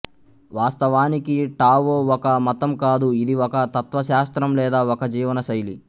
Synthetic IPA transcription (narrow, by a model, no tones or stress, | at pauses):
ʋaːst̪ɐʋaːnikiʈaːʋoːɔkɐmɐt̪ɐmkaːd̪uid̪iɔkɐt̪ɐt̪ʋɐʃaːst̪ɾɐmlɛːd̪aːɔkɐd͡ʒiːʋɐnɐʃɐjlḭ